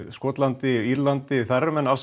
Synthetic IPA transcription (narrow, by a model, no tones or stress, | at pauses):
skɔːt̪lant̪ɪiɾlant̪ɪθɛɾmɛnals